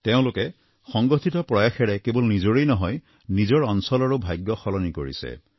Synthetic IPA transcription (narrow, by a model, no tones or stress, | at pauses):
teʊ̃lʊkɛ | xɔŋɡɔtʰitɔpɹɔjaxɛɹɛkebɔlnizoɹejnɔɦɔj | nizɔɹɔnsɔlaɹubʱajɡjɔxɔlɔnikoɹḭsɛ̰